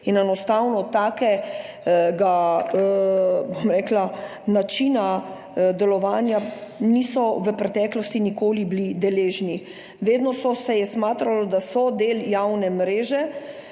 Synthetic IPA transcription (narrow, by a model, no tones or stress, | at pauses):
inɛnɔst̪awnɔt̪aːkɛ | ɡa | bomɾɛːklanat͡ʃina | d̪ɛlɔʋaːnjaniːsɔʋəpɾɛt̪ɛːklɔst̪inikoːliblid̪ɛleːʒni | ʋeːd̪nɔsɔsɛjɛsmaːt̪ɾalɔd̪asɔd̪eːljawnɛmɾeːʒɛ